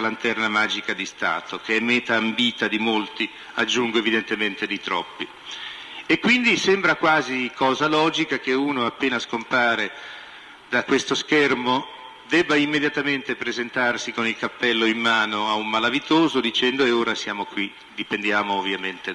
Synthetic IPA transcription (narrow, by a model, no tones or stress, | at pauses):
lant̪ɛrnamaːd͡ʒikad̪ist̪a̰ːt̪okeɛmːɛːt̪aːmbiːt̪ad̪imolt̪i | ad͡ʒːuŋɡoevid̪ent̪ement̪ed̪it̪ɾɔ̰pːi | ekːwind̪isɛmbɾakwaːzikɔːzalɔːd͡ʒikak̟euːnoapːeːnaskompaːɾe | d̪akwest̪oskɛrmo | d̪ɛbːaimːed̪jat̪ament̪epɾezent̪arsikonilkapːɛlːoimːaːnoaumːalavit̪oːzod̪it͡ʃɛnd̪oeoːɾasjaːmokwi | d̪ipend̪jaːmoːvːjament̪e